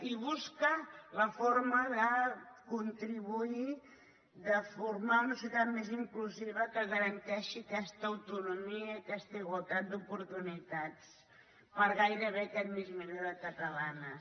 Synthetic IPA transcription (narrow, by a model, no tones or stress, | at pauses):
iβuskələfoɾməðəkunt̪ɾiβui | ðəfuɾmaunəsjut̪at̪meziŋkluziβəkəɣəɾənt̪ɛʃiəkɛst̪əəwt̪unumiəkɛst̪əiɣwəlˠt̪at̪̚d̪upuɾt̪unit̪at͡s | pəɾɣajɾəβ̞eəkɛt̪mizminoɾəkət̪əlanə